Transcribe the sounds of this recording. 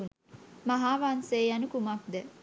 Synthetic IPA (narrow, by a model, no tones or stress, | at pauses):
un | maɦaːʋanseːjanukumak̚d̪ɛ